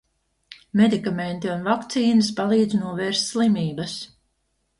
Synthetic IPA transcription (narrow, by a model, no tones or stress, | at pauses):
med̪ikament̪iunvakt̪siːnɨspalˠiːd̪znuɔvɛːɾst̪ʲslˠimiːbas